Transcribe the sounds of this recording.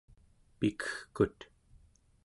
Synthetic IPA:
pikə̥xkut̪

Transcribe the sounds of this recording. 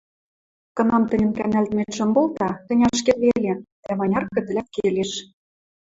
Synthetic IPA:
kɤ̆nɑmt̪ə̆nʲə̆nkænælt̪meʃɤ̆mbolˠt̪ɑt̪ə̆nʲɑʃkerβelʲed̪̥æmɑnʲɑrkə̆d̪ə̆læt̪̚keleʃ

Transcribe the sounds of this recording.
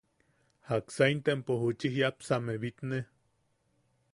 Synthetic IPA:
haksajnt̪empohut͡ʃiɦjapsameβit̪ne

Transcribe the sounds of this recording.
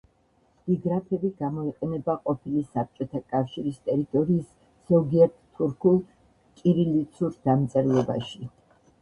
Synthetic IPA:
b̥iɡɾapʰɛbiɡamɔiqʼɛnɛbaqʼɔpʰilisap̚t͡ʃʼɔt̪ʰakʼafʃiɾist̪ʼɛɾit̪ʼɔɾiːs | z̥ɔɡiɛɾt̪ːʰuɾkʰulˠ | kʼiɾilit̪sʰuɾd̪̥amt̪sʼɛɾlˠɛba̰ʃi

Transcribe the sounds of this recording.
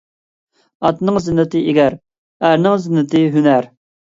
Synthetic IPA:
ɑt̪nɨŋzɪnːɨt̪ɨeɡʲæɾ | æɾnɪŋzɪnːɨt̪ʰɨɦynæɾ

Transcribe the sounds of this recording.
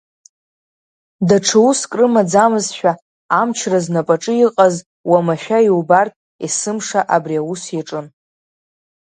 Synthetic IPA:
daʈ͡ʂʰɨuskʼrɨmad͡zamɨzʃᶣa | amt͡ʃʰraznapʼaʈ͡ʂʼɨjiqʼaz | wamaʃᶣaiubartʼ | isɨmʂaʔabriawusjaʈ͡ʂʼɨn

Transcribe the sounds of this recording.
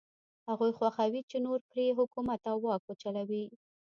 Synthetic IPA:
haɣujxwaxawit͡ʃenoɾpɾeɦʊkumat̪awːɑkot͡ʃalawi

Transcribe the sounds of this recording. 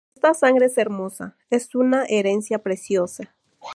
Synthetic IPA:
est̪asaŋɡɾeese̞ɾmo̞sa̰ | e̞sunaʔeɾe̞nsjapɾe̞sjosa

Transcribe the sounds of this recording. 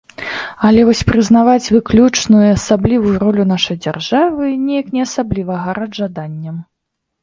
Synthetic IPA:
ɐlʲɛvɔsʲpɾɨznavat͡sʲvɨklʲut͡ʂnujuasablʲivujuɾɔlʲun̪aʂɐjd͡zʲarʐavɨnʲɛjɐknʲɛɐsablʲivɐɣɐɾɐʐad̪anʲːɐm

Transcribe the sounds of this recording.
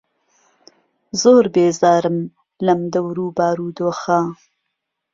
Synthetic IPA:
zoːɾbeːzaːɾɨm | lɐmd̪ɐwɾuːbaːɾuːd̪oːxa

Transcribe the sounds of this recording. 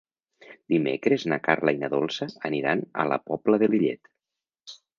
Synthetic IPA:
d̪̥imḛkɾeznakaɾlajnəðolˠsəːniɾanə̰lə̰pɔbləðeliʎḛt̪

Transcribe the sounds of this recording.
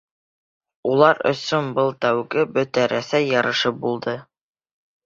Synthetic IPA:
ulˠɑɾɵ̰̆sɵnbɤlˠt̪æwɡɘbɵ̆t̪æɾʔæθæjːɑɾɤ̆ʃɤp̚bulˠd̪ɤ

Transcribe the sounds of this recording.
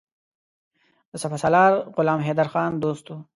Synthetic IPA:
sɐfɐsɐlɑːɾʁʊlɑːmɦed̪ɐɾxɑːnd̪oːst̪u

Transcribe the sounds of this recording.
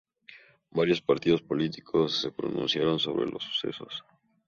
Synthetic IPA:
baɾjo̞spaɾt̪iðo̞spo̞lit̪i̥kʰo̞sːe̞pɾo̰nṵ̃nsjaɾo̞nso̞̰βɾe̞̰lo̞sːu̥se̞̰so̞̰s

